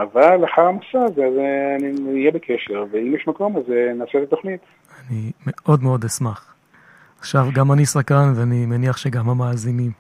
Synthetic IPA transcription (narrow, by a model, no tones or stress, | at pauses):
avalaħaʁamasazeazeaniijebekʰeʃeʁveimjeʃmako̞mazenaːselet̪o̞χnit̪ | animeʔo̞dmeo̞d̪esmaχ | aχʃavɡamanisakanveanimeniaχʃeɡamhamaːzinim